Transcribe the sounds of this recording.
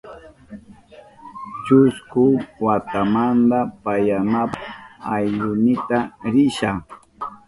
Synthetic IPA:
t͡ʃʊskʊwat̪amand̪apajanapaajʎʊnɪt̪aɾɪʃa

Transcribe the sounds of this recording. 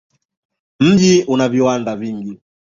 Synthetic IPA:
m̩ɟiunaβiwandaviŋɡi

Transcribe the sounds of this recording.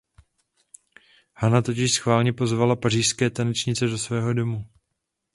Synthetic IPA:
hanat̪o̞cɪʃsxvaːlɲɛpo̞zvalapar̝iːʃskɛːt̪anɛt͡ʃɲɪt͡sɛdo̞svɛːɦo̞do̞mu

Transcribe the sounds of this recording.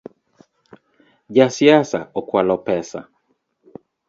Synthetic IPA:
ʄasiasa̰ɔkwalɔpɛsa̰

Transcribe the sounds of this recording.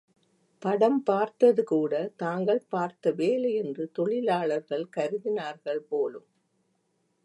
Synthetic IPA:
pɐɽɐmpaːɾt̪ɐðɯkuːɽɐt̪aːŋɡɐɭpaːɾt̪ɐʋeːlɐjɛndrɯt̪ɔɭɪlaːɭɐɾɣɐɭkɐɾɯðɪnaːɾɣɐɭpoːlɯm

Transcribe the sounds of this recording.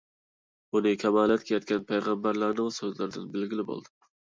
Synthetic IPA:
unɪkʲʰɛmɑːlˠɛt̪kʰʲejɑt̪̚kʲɛnpʰæjʁɑmbæɾlæɾnɪŋsøzlɪɾd̪ɪnbɪlɡʲilɪbo̰lˠd̪ɨ

